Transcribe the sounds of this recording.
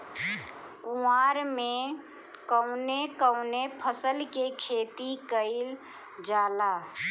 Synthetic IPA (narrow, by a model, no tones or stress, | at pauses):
kuaɾme | kəʊnekəʊnepʰəsəlkekʰet̪ikəɪl | d͡ʒaːla